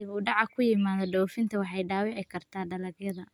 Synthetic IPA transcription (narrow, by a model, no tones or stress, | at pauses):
ɪβuːɖɑʕɑkʰʊjɪmaːðɔɖɔwfɪnt̪ʰɐwɑħɑjɖaːwɪʕɪkʰɐrt̪ʰaːɖɐlɐɡjɐðɐ